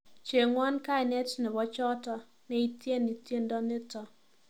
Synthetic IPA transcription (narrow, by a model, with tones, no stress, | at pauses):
t͡ʃe˨ŋwa˦nka˦ɪ˨nɛ˦tnɪ˨bɔ˦t͡ʃɔ˦tɔ˦ | nɛ˦i˦tje˦ni˨tje˦ndɔ˦nɪ˦tɔ˨